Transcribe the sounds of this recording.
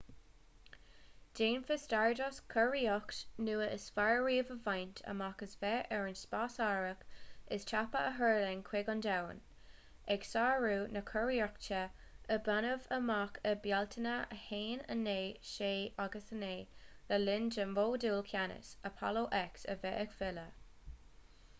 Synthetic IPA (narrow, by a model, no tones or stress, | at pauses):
d̥eːnfəstaɹdɔskʰəɹiɔktnuːəʔəsfaɹɹiːəvəvajntʰə̰makəsvɛʔɛɹənspasaːɹəkɪst͡ʃʰapəəɦɜɹlɛŋkʰwɪɡɔndawə̰n | ɛɡsaːɹuːnəkʰɔɹiɔk̚t͡ʃʰɛəbanəvəmakʰəbjaltʰənəəheːnə̰neːʃeːaɡəsəneːləlɪnd͡ʒəmvoːduːlkʰjanɪ̰səpʰɔ̰loʔɛksə̰vɛʔəkfɪlə